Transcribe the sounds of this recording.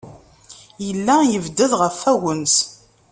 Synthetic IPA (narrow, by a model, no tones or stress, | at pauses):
jəlːæjəvd̪əðʁəfːæwəns